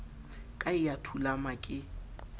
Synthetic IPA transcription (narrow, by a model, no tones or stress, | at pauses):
kʼaɪjatʰulamakʼɪ